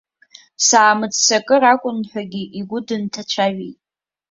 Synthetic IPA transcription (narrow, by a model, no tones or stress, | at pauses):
saːmɨd͡zsakʼɨɾakʷʼʊnħʷᶣaɡʲiʔiɡʷʊdɨntʰat͡ʃʷʰaɥijtʼ